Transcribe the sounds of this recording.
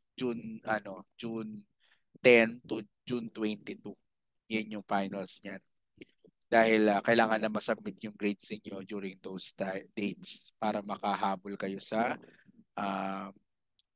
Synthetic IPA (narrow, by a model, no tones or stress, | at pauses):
d͡ʒunʔɐno̞d͡ʒun | t̪ɛnt̪u | d͡ʒunt̪wɛnt̪ɪt̪u | jʊnʊŋfajnɐlsɲan | d̪̥aːhɪlɐkɐjlaːŋɐnːɐmɐsɐb̚ɪt̪̚jʊŋɡɾejd̪sɪɲo̞d͡ʒuːɾɪŋd̪owsd̪̥ejt̪̚spaːɾɐmɐkɐɦaːbolkɐjo̞sɐʔam